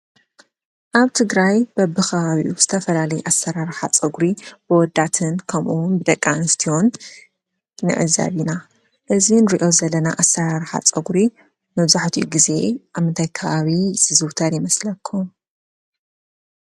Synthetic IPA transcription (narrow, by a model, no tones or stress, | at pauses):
ʔaβt̪ʰɨɡɾajb̥ɐbɨxʰɐβaβiʔuz̥ɨt̪ʰɐfɐlalɐjuʔasːɐɾaɾɨħat͡sʼɐɡuɾib̥ɨwɔd̪at̪ʰɨnkʰɐmʔuwnbɨd̪ɐkʼːanɨst̪ʰihon | nɨ̰ʕɨ̰za̰βina | ʔɨzinɾiʔo̞zɐlːɐna̰ʔasːɐɾaɾħa̰t͡sʼɐɡuɾi | mɐβzaħt̪ʰiʔuɡize̞ʔaβmɨnt̪ʰajkʰɐβaβiz̥ɨzɨwt̪ʰaɾjɪmɐslɐkʰːum